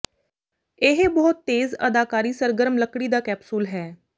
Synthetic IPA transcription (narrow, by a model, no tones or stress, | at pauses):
ɪɦbɔːʊt̪ːeːzə̰d̪aːkaːɾiːsəɾɡəɾəmləkɽiːd̪aːkɛːpsuːlɦɛː